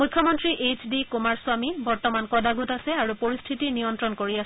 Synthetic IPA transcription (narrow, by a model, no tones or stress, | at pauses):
mukʰːjɔmɔntɹiʔet͡ʃdikumaɹsʊamibɔɹtɔmankɔdaɡutasɛaɹupoɹist̪ʰitinijɔntɹɔnkoɹias